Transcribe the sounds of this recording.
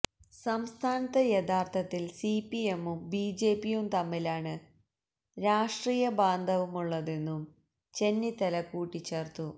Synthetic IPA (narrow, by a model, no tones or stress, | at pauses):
sɐmst̪ʰaːnɐt̪ːɐjet̪ʰaːrt̪ʰɐt̪ːilsipiemumbiːd͡ʑe̞ːpːijumt̪ɐmːilaːɳɨ | ɾaːʂʈriːjɐbaːnd̪ʱɐʋumuɭːɐðe̞nːum | t͡ɕe̞nːit̪ːɐlɐkːuːʈːit͡ɕːe̞ːrt̪u